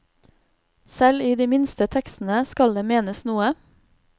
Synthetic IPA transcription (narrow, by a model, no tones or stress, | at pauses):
sɛliːd̪iːmɪnst̪ət̪ʰɛkst̪n̩əskɑld̪eːmeːnəsnuːə